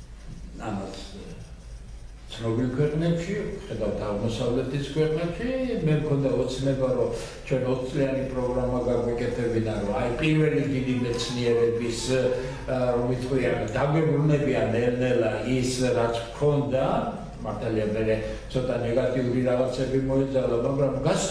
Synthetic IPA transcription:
a̰mats | t̪sʰnɔbilˠkʰwɛqʼnɛpʃiχɛd̪avt̪ʰaʁmɔsavlɛt̪ʰiskʰwɛqʼnɛpʃimɛmkʰɔnd̪aɔt̪sʰnɛbaɾɔ | t͡ʃʰwɛnɔt̪ʰt̪sʼlianipʼɾɔɡɾamaɡaɡwikʼɛt̪ʰɛbinaɾɔaipʼiɾvɛlid̪id̪imɛt̪sʰniɛɾɛbis | ɾɔmvit̪ʰʼχqʼwiand̪aɡwɛbɾunɛbianɛlnɛlaisɾat̪sʰkʰɔnd̪a | maɾt̪ʰaliamɛɾɛt̪sʰɔt̪ʼanɛɡat̪ʼiuɾiɾaʁat̪sʰɛːbimɔɛd̪zalamaɡɾamɡas

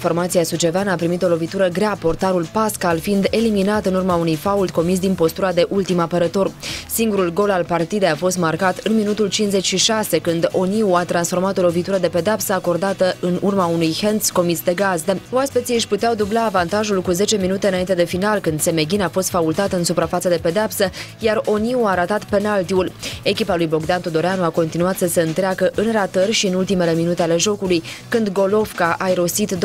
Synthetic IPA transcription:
ifo̞rmat̪siasut͡ʃe̞vanapɾimit̪o̞lo̞vit̪uɾəɡɾeapo̞rt̪aɾulpaskalfind̪e̞liminat̪ɨnurmaunujfault̪̚ko̞mis̬d̪inpo̞st̪uɾad̪e̞ʔult̪imapəɾət̪o̞rsiŋɡuɾulɡo̞lalpart̪id̪e̞jafo̞st̪markat̪ɨnminut̪ult͡ʃinsze̞t͡ʃʲʃiʃase̞kɨnd̪o̞niuat̪ɾansfo̞rmat̪o̞lo̞vit̪uɾəd̪e̞pe̞d̪eapsəako̞rd̪at̪əʔɨnurmaunujhensko̞mit̪sd̪e̞ɡazd̪oaspesiɨʃput̪eawd̪ublaːvant̪aʒulkuze̞t͡ʃe̞minut̪e̞ɨnaint̪e̞d̪e̞finalkɨnd̪se̞me̞ɡʲinafo̞st̪fault̪at̪ɨnsupɾafat̪səd̪e̞pe̞d̪eapsəjaro̞niuaɾat̪at̪pe̞nalt̪iule̞kʲipalujbo̞ɡd̪ant̪od̪o̞ɾeanuako̞nt̪inuat̪səse̞ɨnt̪ɾeakəʔɨnrat̪ərʲʃiɨnult̪ime̞le̞minut̪e̞ale̞ʒo̞kulujkɨnd̪ɡo̞lo̞fkaʔaiɾo̞sit̪d̪

